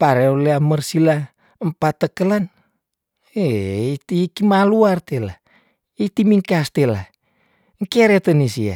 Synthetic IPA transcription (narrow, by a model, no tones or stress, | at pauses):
paɾeoleamərsila | əmpat̪ːəkəlan | eit̪ikimaluart̪ela̰ | it̪imiŋkast̪ela | ŋkeɾet̪ənisia̰